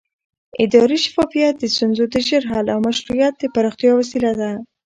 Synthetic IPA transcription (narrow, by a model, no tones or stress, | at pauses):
ɪd̪ɑɾiʃḁfɑfijat̪̚d̪əst̪unzod̪əʒeɾɦɑlawmaʃɾujat̪̚d̪əpaɾɑxt̪jɑwasilad̪a